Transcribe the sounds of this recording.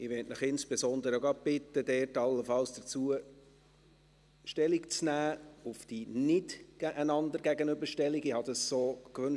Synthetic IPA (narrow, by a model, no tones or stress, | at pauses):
ɪʋɛtnəχɪnsb̥ɛsɔnd̪əɾoɡɑb̥ɪt̪ːəd̪ɛːɾtɑlːəfɑlsd̥ət͡suə | ʃtɛlikt͡snæːʊfd̥inɪtɡ̥æʔænɑnd̪əɾɡæɡənʏbəʃtɛliɡɪhɑd̥̪ɑssoːkʋɵn